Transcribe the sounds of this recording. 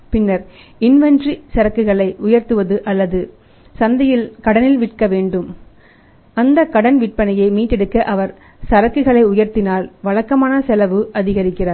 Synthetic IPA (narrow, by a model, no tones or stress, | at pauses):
pɪnːɐɾ | ɪnʋɛndrisɐɾɐkːɯɣɐɭɐɪʔʊjɐɾt̪ɯʋɐðɯʔɐlːɐðɯ | sɐnd̪ɐjɪlkɐɽɐnɪlʋɪʈ̚kɐʋeːɳɖɯm | ɐnd̪ɐkɐɽɐnʋɪʈ̚pɐnɐjɐɪmiːʈːɛɽɯkːɐʔɐʋɐɾ | sɐɾɐkːɯɣɐɭɐɪʊjɐɾt̪ɪnaːlʋɐɭɐkːɐmaːnɐsɛlɐʋɯʔɐðɪɣɐɾɪkːɪraːɾ